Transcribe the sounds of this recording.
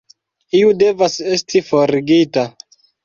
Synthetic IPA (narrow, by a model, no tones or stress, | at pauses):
iude̞vase̞stʰifo̞ɾɡita